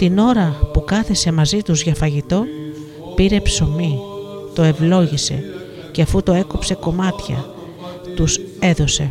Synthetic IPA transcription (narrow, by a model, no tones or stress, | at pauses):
t̪ino̞ɾɐpukɐθe̞se̞mɐzit̪uzʝɐfɐʝit̪o̞ | piɾe̞pso̞mit̪o̞e̞vlo̞ʝise̞̰ | ceɐfut̪o̞e̞kopse̞ko̞mɐt̪çɐ̰ | t̪use̞ðo̞se̞